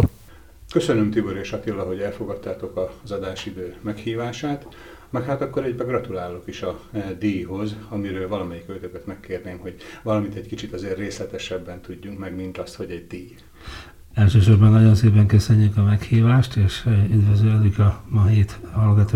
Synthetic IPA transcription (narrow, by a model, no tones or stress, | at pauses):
køsønømt̪iboɾeːʃɒt̪ilːɒɦo̞ɟɛlfo̞ɡɒt̪ːaːt̪o̞kɒzɒd̪aːʃid̪øːmɛkhiːvaːʃaːt̪ | mɛkhaːt̪ɒkːo̞ɾɛɟbɛɡrɒt̪ulaːlːokiʃɒd̪ijɦo̞zɒmiɾøːlvɒlɒmɛjikøːt̪økøt̪mɛkːeːrneːmho̞ɟvɒlɒmint̪ɛckit͡ʃit̪ɒzeːrːeːslɛt̪ɛʃɛbːɛnt̪uɟːuŋkmɛɡmint̪ɒst̪ho̞ɟɛɟ̚d̪iːj | ɛlʃøːʃo̞rbɒnːɒɟo̞nseːpɛŋkøsøɲːykɒmɛkhiːvaːʃt̪eːʃyd̪vɛzølykɒmɒɦeːt̪hɒlɡɒt̪oː